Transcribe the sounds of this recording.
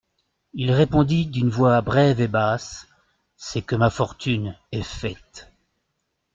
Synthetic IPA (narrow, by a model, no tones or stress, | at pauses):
ilʁepɔ̃d̪id̪ynvwabʁɛvebasː | ɛkəmafɔʁt̪ʰynɛfɛt̪